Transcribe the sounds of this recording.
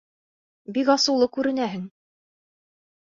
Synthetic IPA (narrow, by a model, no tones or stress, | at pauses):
bikɑsɤ̆wlˠɤkʉɾɘ̆næɦɘŋ